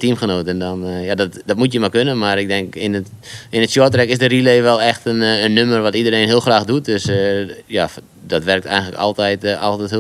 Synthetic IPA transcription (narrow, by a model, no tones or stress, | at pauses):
timxənoːtɛndɔnjadɔtdɔtmutjəmakønənmarɪɡ̚dɛŋkɪnəɪnətsjɔtrɛkɪsdərileːʋɛlˠɛxtənənːømərʋɔtidərejnɦiəlˠxraːxdut̚døsja | dɔtʋɛrk̚tʰɛ̰jɣŋ̩ləkɔ̰lˠtɛjta̰lˠtɛth